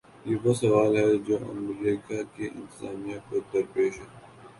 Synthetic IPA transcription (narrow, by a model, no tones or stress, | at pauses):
jebɐsɐʋaːlɦɛd͡ʒoːʔɐ̰mɾiːkakeʔɪ̰̃nt̪ɪzaːmijãpɐd̪ɐɾpeːʃɦɛː